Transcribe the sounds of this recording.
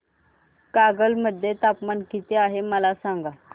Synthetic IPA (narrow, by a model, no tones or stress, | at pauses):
kaɡəlməd̪ʱːjet̪apmankit̪eaɦeməlasaŋɡa